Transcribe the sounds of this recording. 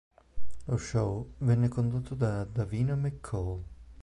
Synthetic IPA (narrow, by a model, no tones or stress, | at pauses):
loʃːowvɛnːekond̪ot̪ʰːod̪ad̪aviːnamɛkʰːoɔl